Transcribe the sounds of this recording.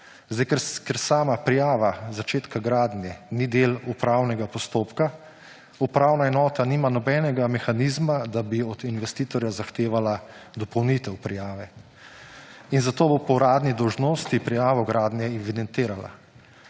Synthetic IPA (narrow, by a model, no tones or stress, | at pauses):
zd̪ajkɛɾkɛɾsaːmapɾijaːʋazat͡ʃeːt̪kaɡɾaːd̪njɛnid̪eːlupɾaːwnɛɡapɔst̪oːpka | upɾaːwnaɛnɔːt̪aniːmanɔbɛːnɛɡamɛxaniːzmad̪abiɔd̪inʋɛst̪iːt̪ɔɾjazaxt̪eːʋalad̪ɔpɔwnit̪ɛwpɾijaːʋɛ | inzat̪oːbopɔwɾaːd̪nid̪ɔwʒnoːst̪ipɾijaːʋɔɡɾaːd̪njɛiʋid̪ɛnt̪eːɾala̰